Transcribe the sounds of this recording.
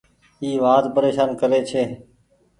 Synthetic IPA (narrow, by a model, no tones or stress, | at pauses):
iːʋaːd̪pəɾeːʃaːnkəɾeːt͡ʃʰeː